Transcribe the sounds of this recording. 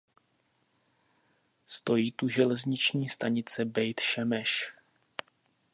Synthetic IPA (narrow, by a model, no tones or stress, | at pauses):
st̪o̞jiːt̪uʒɛlɛzɲɪt͡ʃɲiːst̪aɲɪt͡sɛbɛjt̪ʃɛmɛʃ